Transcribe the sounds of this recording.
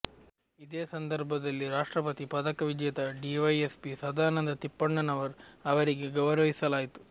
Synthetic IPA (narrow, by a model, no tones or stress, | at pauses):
id̪eːsɐnd̪ɐɾbʱɐd̪ɐlːiɾaːʂʈɾɐpɐt̪ipɐd̪ɐkɐʋid͡ʒjɐt̪ɐɖiʋɐjespisɐd̪ʱaːnɐnd̪ɐt̪ipːɐɳːɐnɐʋɐɾɐʋɐɾiɡeɡɐʋɐɾɐʋisɐlaːjit̪u̥